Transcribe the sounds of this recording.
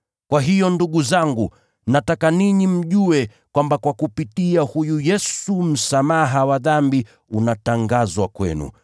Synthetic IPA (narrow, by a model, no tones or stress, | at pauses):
kwaɦijɔnduɠuzaŋɡu | natakaniɲim̩ʄuɛ | kwambakwakupitiahujujɛsum̩samaɦawaðambi | unataŋɡazwakwɛ̰nṵ